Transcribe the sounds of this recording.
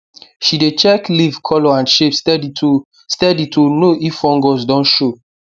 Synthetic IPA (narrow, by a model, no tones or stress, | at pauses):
ʃidet͡ʃɛklivkʰɔlɔãnʃepstɛditʰo | stɛditʰonoʔifɔ̃ŋɡɔsdɔ̃nʃo